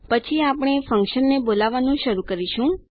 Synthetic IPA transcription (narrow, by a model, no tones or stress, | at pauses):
pət͡ʃʰiapɽ̃efəŋkʃənːebolaʋanũʃəɾukəɾiʃũ